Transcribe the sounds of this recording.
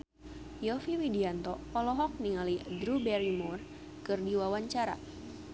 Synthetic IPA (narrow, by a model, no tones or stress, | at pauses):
jɔfiwidiant̪ɔpɔlɔɦɔk̚niŋalidɾubɛɾimur | kɨrdiwawaɲt͡ʃaɾa̰